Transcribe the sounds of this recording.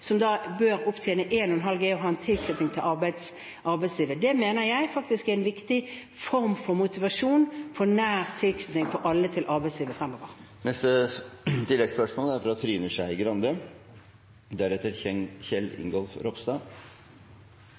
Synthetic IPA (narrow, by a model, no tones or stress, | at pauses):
sɔmd̪ɑːbøːʁʊpt̪ʰjɛːnəʔeːnɔɛnɦɑlɡeːɔɦɑːɛnt̪ʰɪlkʰnʏt̪nɪŋt̪ʰɪlʔɑʁbæɪd̪s | ʔɑɾbæɪsliːʋəd̪ɛmeːnəʁjæɪfɑk̚t̪ɪskæɪnʋɪkt̪ɪ | fɔʁmfɔʁmʊt̪ɪʋɑʂuːnfɔʁnæːʁt̪ʰɪlkʰnʏt̪nɪŋfɔɾʔɑlːət̪ʰɪlʔɑʁbæɪsliːʋəfʁɛmːoːʋəʁ | nɛst̪ət̪ʰɪlːɛɡspœʂmoːlæɾfɔɾɑt̪ʰːɾiːnəʂæɪɪɡɾɑnd̪ə | d̪æɾɛt̪ːəɾçɛŋçɛlɪ̰ŋɡɔlfɾɔpst̪ɑː